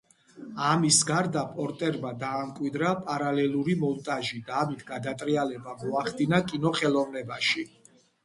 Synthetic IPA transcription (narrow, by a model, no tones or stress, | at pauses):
amisɡaɾd̪apʼɔɾt̪ʼɛɾmad̪aːmkʼwid̪ɾapʼaɾalɛluɾimɔlˠt̪ʼaʒid̪aːmit̪ʰɡad̪at̪ʼɾialɛbamɔaχd̪ʼinakʼinɔχɛlˠɔvnɛbaʃi